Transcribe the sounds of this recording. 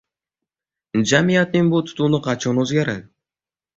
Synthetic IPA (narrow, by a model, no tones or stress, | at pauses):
d͡ʒamijat̪nɪnbulˠt̪ʰʊ̥t̪unɨqʰɑt͡ʃonɵzɡʲaɾa̰d̪